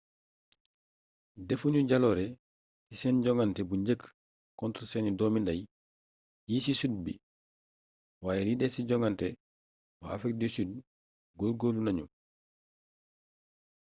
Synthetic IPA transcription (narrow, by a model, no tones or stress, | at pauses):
defuɲuɟalɔɾɛ | tisɛnɟɔŋɡantɛbuɲɟək | kɔntɾsɛnidɔːmindɐj | jiːsisud̚bḭ | waːjɛlidɛsiɟɔŋɡantɛ | wa̰afɾik̚disuːd | ɡolɡolunaɲṵ